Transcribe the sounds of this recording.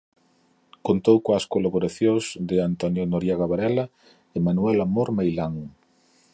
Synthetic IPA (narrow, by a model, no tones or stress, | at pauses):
kont̪owkõɐskolaβoɾaθjozd̪ɪant̪onjonoɾjiaɣaβaɾɛla | ɪmanuɛlamoɾmejlaŋ